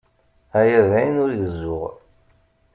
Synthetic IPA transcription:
æjævæjənʊɾjəzːʊʁ

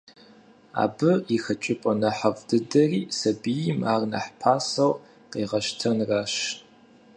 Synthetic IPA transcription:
a̰ːbɨixɐt͡ʃʼɪpʼɐnɐħɐvdɨdɐriːsɐbijɪmaːrnɐ̰ħpʰaːsɐw | qeːʁɐʃtʰɐnraːʃ

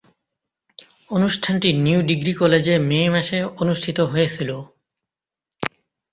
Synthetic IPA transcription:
onuʃʈʰanʈinjiuɖiɡɾikɔled͡ʑemeːmaʃeonuʃʈʰit̪oɦoet͡ɕʰilo

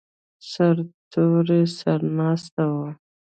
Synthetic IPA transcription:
saɾt̪ʰoɾesaɾnɑst̪awa

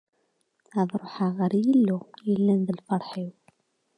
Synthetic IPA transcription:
æðˤɾˤoħaʁəɾjəlːujəlːænðəlfɑɾˤħiw

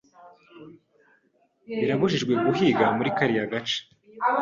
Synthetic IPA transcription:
iɾaβuʒiʒɡwe̞ɡuɦiɡamuɾikaɾijaɡat͡ʃe̥

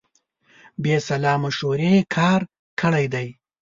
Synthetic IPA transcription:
besalɑːmaʃoɾekʰɑːɾ | kʰəɽajd̪aj

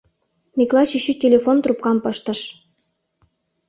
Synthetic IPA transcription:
mʲeklɑɕyɕytʲelʲefont̪rup̚kɑmpəʃt̪ə̆ʃ

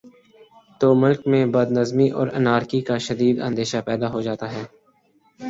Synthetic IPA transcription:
t̪oːmʊlkmẽbəd̪nəzmiʔɔ̰ːɾənaːɾkikaʃɐd̪iːd̪ə̰̃nd̪eːʃapɛːd̪aɦod͡ʒaːt̪aɦɛː

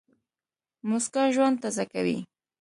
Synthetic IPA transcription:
mʊskaʒwand̪̚t̪azaka̰wḭ

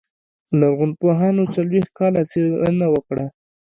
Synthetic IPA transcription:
laɾɣʊnpoɦɑnot͡salwext̪̚kɑlat͡senawəkɽa

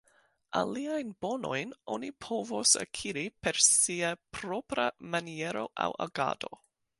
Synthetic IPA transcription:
a̰liajnb̥ono̞jno̰nipʰovosa̰kʰiɾipe̞ɾsiapʰɾopɾamanieɾo̞̰ʔa̰wa̰ɡa̰do̞

